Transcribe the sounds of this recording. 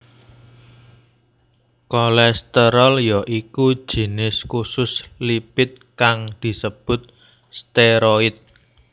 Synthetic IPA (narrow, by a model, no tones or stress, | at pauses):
kɔlɛst̪əɾɔljɔʔiku̥ʒ̥i̤nɪskusʊslipɪt̪̚kaŋd̪̥i̤səb̥ʊ̤t̪̚ | st̪eɾoɪt̪̚